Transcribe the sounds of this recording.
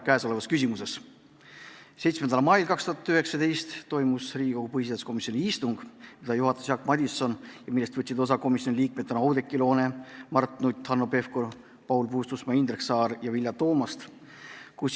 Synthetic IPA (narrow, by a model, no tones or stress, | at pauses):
kæːsole̞vɑskysimuse̞s | se̞jt̪smend̪ɑlmɑjlkɑkst̪uhɑt̪ːˑyɦe̞ksɑd̪̥e̞jst̪t̪ːo̞jmusriːɡiko̞ɡ̥upɤhis̬id̪ɑsko̞misio̞nʲiist̪uŋɡ̥mid̪ɑjuɦɑt̪ːˑesjɑkːˑmɑd̪ʲisːo̞njɑmilːest̪vɤt̪ʲːsid̪o̞s̬ɑko̞misjo̞niliːk̚met̪ːˑɑnɑɑwd̪e̞kːˑilo̞ːnemɑrt̪nut̪ʲːhɑnːope̞fko | pɑwlpust̪usmɑind̪reksɑːɾjɑvilʲjɑt̪o̞ːmɑst̪ | kus